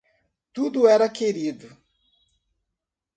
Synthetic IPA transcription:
t̪ud̪ʊɛɾɐkeɾid̪ʊ

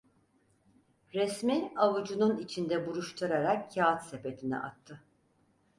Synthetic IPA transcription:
ɾɛsmiavud͡ʒununit͡ʃʰind̪ɛbuɾuʃt̪ʰuɾaɾakcːaːt̪sepet̪ʰinɛ̰ʔa̰t̪ʰːɯ

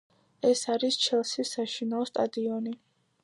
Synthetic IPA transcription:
ɛsaɾist͡ʃʰɛlˠsisaʃinaɔst̪ʼad̪iɔni

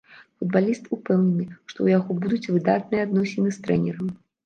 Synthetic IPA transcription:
fud̪̚balʲist̪upɛwnʲɛnɨʂt̪ɔ̰wjaɣɔbud̪ut͡sʲvɨd̪at̪̚nɨjɛad̪nɔsʲɛnɨst̪ɾɛ̰nʲɛɾɐmʲ

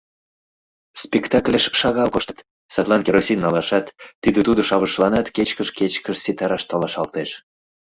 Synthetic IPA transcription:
spʲekt̪ɑklʲeʃʃɑɣɑlkoʃt̪ə̥t̪ | sɑt̪lˠɑnkʲeɾosʲinːɑlɑʃɑt̪ːid̪ĕt̪ud̪ŏʃɑβəʃlˠɑnɑt̪ket͡ɕkəʃket͡ɕkəʃsit̪ɑɾɑʃt̪olɑʃɑlt̪eʃ

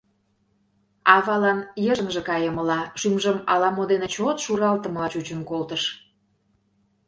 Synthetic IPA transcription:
ɑvɑlɑnjəʒə̆ŋʒĕkɑjəməlɑʃymʒəmɑ̰lɑmod̪enet͡ɕot̪ʃuɾɑlt̪ə̆məlɑt͡ɕut͡ɕənkolt̪əʃ

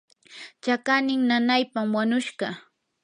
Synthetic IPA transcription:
t͡ʃakanɪŋnanajpamwaɲʊʃɢɑ

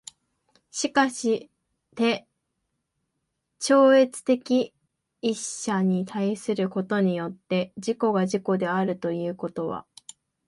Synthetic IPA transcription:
ɕikaɕi | t̪e̞ | t͡ɕo̞ːe̞t͡sɨ̥t̪e̞kʲiː | ɕːaɲ̟it̪ʰaisɨɾɯ̟ko̞t̪o̞ɲ̟ijo̞t̪ːe̞d͡ʑiko̞ɡaʑiko̞d̪e̞aɾɯ̟t̪o̞jɯ̟ːko̞t̪o̞βa̰

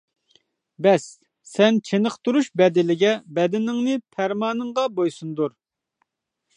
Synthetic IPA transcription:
bɛsː | ɛnt͡ʃʰenəqt̪uɾuʃbɛd̪ɪlɪɡʲɛbɛd̪ɪnɪŋnɨpʰæɾmɑːnɨɴʁɑbojsund̪uɾ

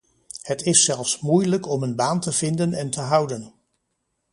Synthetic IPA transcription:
hətɪsːɛlˠfsmujləkɔmənbaːntəv̥ɪndənɛntəɦʌwdən

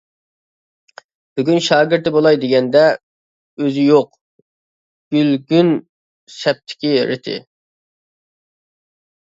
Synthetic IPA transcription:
b̥yɡʲynʃɑːɡʲɪɾt̪ɪbolˠɑjd̪ɪɡʲɛnd̪ɛ | øzɪjoq | ɡ̥ʲylɡʲyn | sɛp̚t̪ʰɪ̥kʲiɾɪ̰t̪ʰɪ̰

